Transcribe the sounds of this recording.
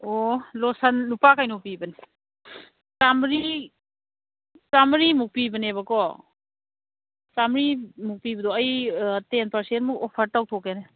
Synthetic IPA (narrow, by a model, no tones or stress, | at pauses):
olɔsanlupakajnopibɐni | samɾi | samɾimuk̚pibɐnebɐkɔ | samɾimuk̚pibɐdɔɐjtenpɐɾsentmukopʰɐɾtaw̚tʰɔkene